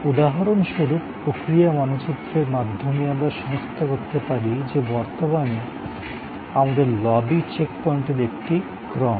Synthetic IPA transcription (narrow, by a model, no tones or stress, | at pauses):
ud̪aɦaɾonʃuɾuppːɾokɾijamanot͡ɕut̪ːɾeɾmad̪ʱːomeamɾaɾʃɔmost̪ʰokoɾt̪epaɾid͡ʑebɔɾt̪omane | amad̪eɾlɔbit͡ɕekpɔiɳʈeɾek̚ʈi | ɡɾɔm